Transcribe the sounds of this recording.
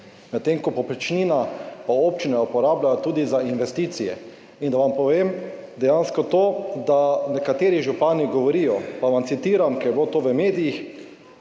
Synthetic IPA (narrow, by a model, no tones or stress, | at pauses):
mɛt̪ːeŋkɔpɔpɾɛt͡ʃniːnapaoːp̚t͡ʃinaupɔɾaːblajat̪uːd̪izainʋɛst̪iːt̪sijɛ̰ | ind̪aʋampɔʋeːm | d̪ɛjanskɔt̪oːd̪anɛkat̪eːɾiʒupaːniɡɔʋɔɾiːjɔpaʋamt̪sit̪iːɾamkɛjbot̪oːʋəmeːd̪ijix